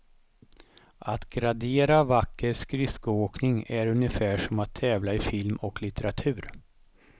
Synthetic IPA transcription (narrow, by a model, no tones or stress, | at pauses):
ʔat̪ɡɾad̪eːɾavakːəɾskɾɪskəoːknɪŋæɾɵnjəfæːʂɔmat̪ʰːɛːvlaɪfɪlmɔklɪt̪ɛɾat̪ʰʉ̟ːɾ